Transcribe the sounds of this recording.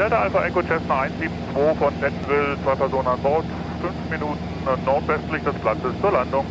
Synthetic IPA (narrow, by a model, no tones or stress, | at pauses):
jadɛʔalfaʔɛŋkot͡ʃɛsnʔaɪnsz̥iːbm̩t͡sv̥oːfɔnfɛtn̩vɪlt͡sv̥aɪpʰɛɐzoːnənanbɔɐt | fʏnfminuːtnn̩nɔɐtv̥ɛstlɪçd̥ɛsb̥lat͡səst͡suːɐlandʊŋ